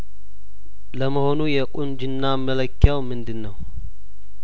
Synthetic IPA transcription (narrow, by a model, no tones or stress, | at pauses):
ləməho̞nujɛkʼund͡ʒɨnːamələkːjawmɨnd̪ɨnːəw